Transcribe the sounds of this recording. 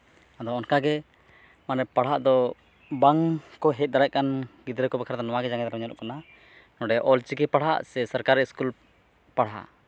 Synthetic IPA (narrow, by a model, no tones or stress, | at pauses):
ad̪ɔɔnkaɡɛ | manɛpaɽ̤ɦaʔd̪ɔ | baŋkɔɦɛt̪̚ˀd̪aɾaʔ̚kanɡid̪ɾɛkɔbɛkʰaɾt̪anɔwaɡɛd͡ʒãŋɡɛd̪aɾɔɲɔlɔ̰ʔkana | nɔɖɛʔɔlt͡ʃikɛpaɽ̤a̰ʔsɛsəɾkaɾːɛiskul | paɽɦa̰ʔ